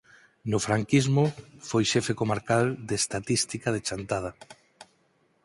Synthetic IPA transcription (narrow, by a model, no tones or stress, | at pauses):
nʊfɾaŋkizmʊfojʃɛfekomaɾkald̪eest̪at̪ist̪ikað̞et͡ʃant̪að̞a